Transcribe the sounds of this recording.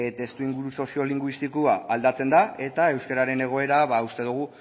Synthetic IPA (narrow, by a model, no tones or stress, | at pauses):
t̪e̞st̪uiŋɡuɾuso̞sio̞liŋɡwist̪ikuaːld̪at͡se̞nd̪ae̞t̪ae̞wskaɾaɾe̞ne̞ɣ̞o̞e̞ɾaβaust̪e̞ð̞uɣ̞u